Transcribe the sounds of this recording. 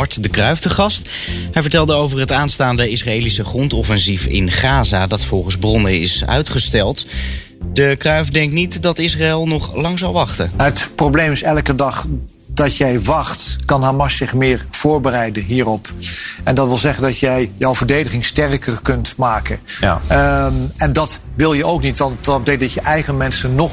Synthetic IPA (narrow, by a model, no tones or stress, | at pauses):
ɑɹtdəkrœɥvdəχɑst | ɦɛjvəɹtɛlˠdəowvərɦətaːnstaːndəɪsraeːlisəχrɔntɔfɛnzifɪ̰nχaːzadɑtfɔlˠχənzbrɔnəɪ̰sœ̰ɥtχəstɛlˠt | dəkrœɥvdɛŋk̚tnitdɑtɪsraɛlˠnɔχlɑŋzɑlˠʋɑχtəɦətprowblejmɪsɛləkədɑχ | d̥ɑtjɛjʋɑχtkɑnɦaːmɑʃɪχmɪːɹv̥ʊːɹbərɛjdənɦiːrɔpɛndɑtʋɪlˠzɛχəndɑtjɛjjɔwvəɹdejdəχɪŋstɛrkərkɵntmaːkə | ɛndɑtʋɪlˠjəowknitʋɑn̚dɛk̚dɑtjəʔɛjχənmɛnsənːɔ